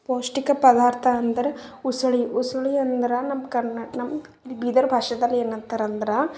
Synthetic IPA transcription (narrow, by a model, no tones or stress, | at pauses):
poːʂʈikɐpɐd̪aːɾt̪ʰɐːnd̪ɐɾɐusɐɭiusɐɭiɐnd̪ɐɾɐnɐmkɐɐnɐmː | bid̪ɐɾbʱaːʂɐd̪ɐlːeːnɐnt̪ɐɾɐnd̪ɐɾɐ